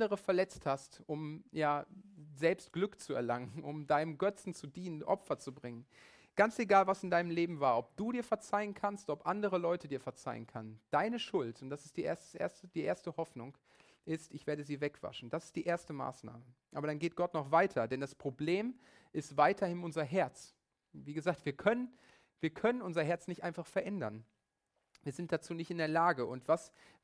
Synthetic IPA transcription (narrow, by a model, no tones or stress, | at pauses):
dəʁəfɛɐlɛt͡sthastʔʊmjaːzɛlpst̚ɡ̥lʏkt͡suɛ̰ɐlaŋənʊmdaɪnəmɡœt͡sn̩t͡sudiːnənʔɔ̰pfɐt͡subʁɪŋən | ɡ̥ant͡seɡaːlvasɪndaɪnəmleːbm̩vaːɐʔɔp̚d̥uːdiːɐfɛɐt͡saɪənkʰanstʔɔpʔandəʁəlɔʏtʰədiːɐfɛɐt͡sa̰ɪə̰nkʰanənd̥aɪnəʃʊltʊnt̚d̥asɪ̥std̥iːʔeːɐstə̥sʔḛːɐstəd̥iːʔeːɐstəhɔfnʊŋ | ʔɪstɪçv̥eːɐdəziːvɛkv̥a̰ʃn̩d̥asɪ̥st̚d̥iːʔeːɐstəma̰ːsna̰ːməʔaːbɐɾanɡeːt̚ɡ̥ɔtnɔχv̥aɪtʰɐdɛndaspʁ̥obleːm | ʔɪstv̥aɪtʰɐhɪnʊnzɐɦɛɐt͡s | viːɡəzaːk̚tv̥iːɐkʰœnən | viːɐkʰœnənʔʊnzɐɦɛɐt͡snɪçtʔaɪnfaχfɛɐʔɛndɐn | viːɐzɪnt̚d̥at͡suːnɪçtɪndeːɐlaːɡəʔʊntv̥as